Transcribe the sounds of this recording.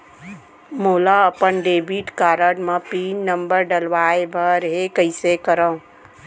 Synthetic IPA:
moːlaəpənɖeːbiʈkaːɾəɽmãpiːnnə̃mbəɾɖɐlʋaːebʱəɾɦekəɪsekəɾə̃

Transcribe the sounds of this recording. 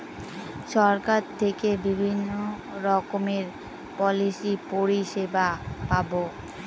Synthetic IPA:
ʃɔɾkaɾt̪ʰekebibʱinːo | ɾɔkomeɾ | pɔlisipoɾiʃebapabo

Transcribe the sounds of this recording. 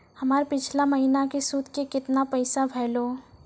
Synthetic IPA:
hɐmaːɾpɪt͡ʃʰlaməɦinakesuːd̪kekɪt̪napəɪsabʱɛːloː

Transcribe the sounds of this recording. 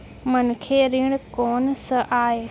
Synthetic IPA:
mʊn̆kʰeːɾiːɽ̃koːnsəʔaːɦe

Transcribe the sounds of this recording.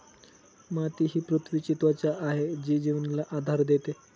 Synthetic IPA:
mat̪iɦiːpɾut̪ʰʋiːt͡ɕit̪ʋat͡ɕjaʔaɦed͡ʑiːd͡ʑiʋnilaʔad̪ʱaɾd̪et̪e

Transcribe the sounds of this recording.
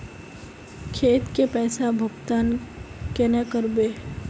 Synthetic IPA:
kʰeːt̪kepɛːsabʱʊɡt̪aːnkenakəɾbeː

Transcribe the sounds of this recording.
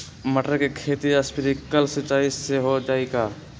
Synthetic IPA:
məʈəɾkekʰeːt̪iaspɪɾikəlsɪt͡ʃaːiseɦod͡ʒaːeɡaː

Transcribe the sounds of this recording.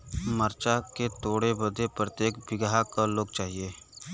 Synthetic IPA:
məɾt͡ʃaket̪oːɽebəd̪ʱepɾət̪jeːkbɪɡɦakaloːɡt͡ʃaːɦieː

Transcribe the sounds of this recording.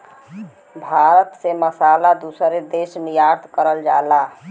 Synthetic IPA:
bʱaɾət̪seməsalad̪usəɾed̪esnijaɾt̪ʰkəɾəld͡ʒaela

